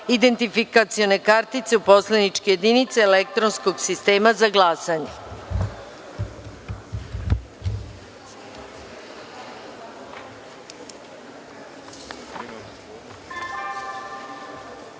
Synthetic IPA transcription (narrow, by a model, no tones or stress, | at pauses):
id̪e̞nt̪ifikat̪sijo̞ne̞kaɾt̪it̪se̞upo̞slenit͡ʃkeje̞d̪init̪seːlek̚t̪ɾonsko̞ɡsist̪e̞ːmazaɡlˠaːsaɲe